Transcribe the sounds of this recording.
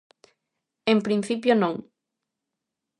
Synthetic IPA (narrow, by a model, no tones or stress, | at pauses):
empɾin̟θipjonõŋ